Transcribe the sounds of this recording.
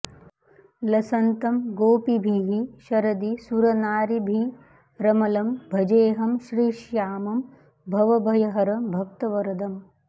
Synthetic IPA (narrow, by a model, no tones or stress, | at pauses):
lɐsɐnt̪ɐmɡoːpibʱiɦiʃɐɾɐd̪isuɾɐnaːɾibʱi | ɾɐmɐlɐmbʱɐd͡ʒeːɦɐmʃɾiːʃjaːmɐm | bʱɐʋɐbʱɐjɐɦɐɾɐbʱɐk̚t̪ɐʋɐɾɐd̪ɐm